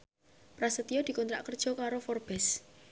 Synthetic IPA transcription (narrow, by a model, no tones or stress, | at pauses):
pɾasət̪ijɔd̪̥ikɔnt̪ɾa̰ʔkərd̥ʒ̥ɔ̤kaɾofɔrb̥ɛs